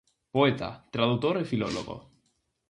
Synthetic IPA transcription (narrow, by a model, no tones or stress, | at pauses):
poet̪a̰t̪ɾað̞ut̪oɾefiloloɣo̰